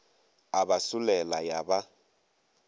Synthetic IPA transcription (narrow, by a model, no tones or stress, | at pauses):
abasʊlɛlajaba